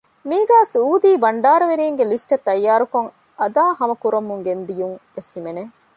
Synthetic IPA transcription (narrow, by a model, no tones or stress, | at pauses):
miːɡæːsuːd̪iːbɐɳɖaːɾɐʋeɾiːŋɡelisʈɐt̪ːɐjːaːɾukoŋ | ɐd̪aːhɐmɐkuɾɐmːuŋɡend̪ijuŋbesimene